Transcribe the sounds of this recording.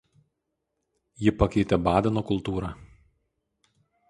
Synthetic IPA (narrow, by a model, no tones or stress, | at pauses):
jɪpɐkʲɛɪt̪ʲɛbɑːd̪ʲɛnoːkʊlˠˑt̪uːɾɑː